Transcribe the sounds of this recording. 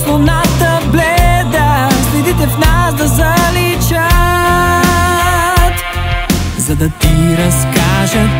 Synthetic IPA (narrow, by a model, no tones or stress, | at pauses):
slˠonat̪ə | blɛd̪əslɛd̪it̪ɛfnasd̪ɐzɐlit͡ʃə | t̪ | zɐd̪ɐt̪iɾɐskaʒə